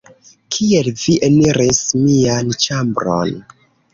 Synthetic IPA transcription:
kʰielviʔeniɾʔismiant͡ʃambɾo̞̰n

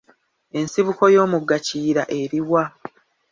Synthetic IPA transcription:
e̞nsiβuko̞jo̞ːmuɡaciːɾaʔe̞ɾiwa

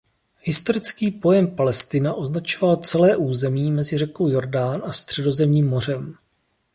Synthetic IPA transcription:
hɪst̪o̞ɾɪt͡skiːpo̞jɛmpalɛst̪ɪnaʔo̞znat͡ʃovalt͡sɛlɛːʔuːzɛmiːmɛzɪrɛkowjo̞ɾdaːnʔast̪r̝̥ɛdo̞zɛmɲiːmːo̞r̝ɛm

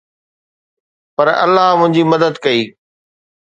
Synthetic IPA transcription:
pɐɾɐ̰lːaɦmʊ̃ɦɪ̃ɲd͡ʑimɐd̪əd̪kɐiː

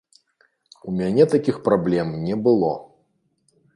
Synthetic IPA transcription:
umʲanʲɛt̪akʲixpɾablʲɛmnʲɛbɨlˠɔ̰

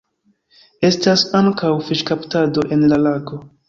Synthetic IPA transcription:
e̞stasaŋkawfiʃkaptado̞ʔe̞nlalako̞

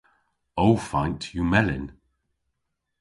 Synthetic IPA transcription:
oʊfãɪ̃ntʰjumɛlɪ̃n

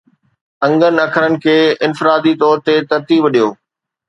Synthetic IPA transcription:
ɐ̃ŋɡənɪ̆ɐkʰəɾənɪ̆kʰeːɪ̃nfɪɾaːd̪it̪ɔːɾt̪et̪ɐɾt̪iːbɗijoː

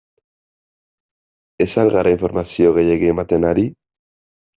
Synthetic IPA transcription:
e̞salɣaɾʔaiɱfo̞ɾmasio̞ɣe̞je̞ɣiemat̪e̞naɾi

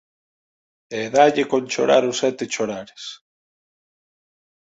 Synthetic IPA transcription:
eðaʎekonʲt͡ʃo̰ɾa̰ɾʊsɛt̪et͡ʃoɾaɾes

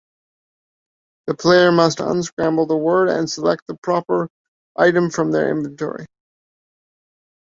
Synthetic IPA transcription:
ðəpʰl̥eɪə˞mʌstʌ̰̃nskɹæ̃mbl̩ˠðəwɜ˞ɾɨ̰̃nsəlɛk̚t̪̚ðəpʰɹ̥ɑpə˞ | ʔaɪɾɨ̃ɱfɹʌ̃mðə̰˞ʔɪ̰̃ɱvɨ̃ntʰɔ̰ɹḭ

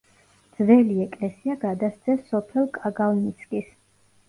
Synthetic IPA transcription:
d̪zvɛliɛkʼlɛsiaɡad̪ast̪sʰɛsɔpʰɛlˠkʼaɡalnit̪sʰkʼis

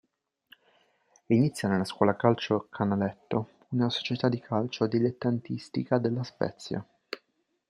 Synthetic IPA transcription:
init̪sjanelːaskwɔːlakalt͡ʃokʰanalɛt̪ːo | unaso̥t͡ʃet̪ad̪ːikʰalt͡ʃod̪ilet̪ːant̪ist̪ikad̪elːaspɛ̰t̪sːja̰

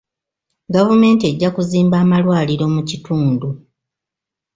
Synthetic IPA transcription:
ɡavume̞ːntie̞ɟːakuziːmbaːmalwaːliɾo̞mucituːndu

